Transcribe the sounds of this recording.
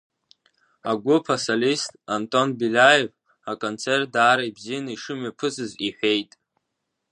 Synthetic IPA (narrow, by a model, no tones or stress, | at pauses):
aɡʷʊpʰasalistʼantʼo̞nbilʲajev | akʼont͡sʰerdaːɾaibzijanaiʂɨmapʰɨzɨziħʷᶣe̞jtʼ